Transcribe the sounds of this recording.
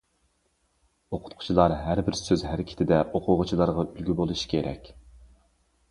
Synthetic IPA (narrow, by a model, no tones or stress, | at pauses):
oqʰʊ̥t̪̚qʰʊ̥t͡ʃʰilˠɑɾɦæɾbɪɾsøzɦæɾɪkʲʰɪ̥t̪ʰɪd̪ɛʔoqʰʊʁʊt͡ʃʰilˠɑɾʁɑylɡʲybolˠuʃi̥kʲʰeɾɛ̰kʲ